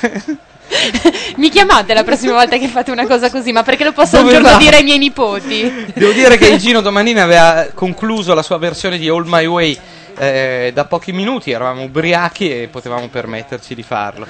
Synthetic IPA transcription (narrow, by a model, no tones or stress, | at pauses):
mikjamat̪elapɾɔsːimavɔlt̪akefːat̪ːounakɔːzakozimapːerkelopɔsːoud͡ʒornod̪iːɾeajmjɛjnipoːt̪id̪ɛːvod̪iːɾekeild͡ʒiːnod̪omaniːnavɛːvakoŋkluːzolasuːaversjoːned̪iolmajwej | ɛd̪apːɔːk̟iminuːt̪iɛɾavaːmobɾiaːk̟iepːot̪evamopermet̪ːert͡ʃid̪ifa̰rlo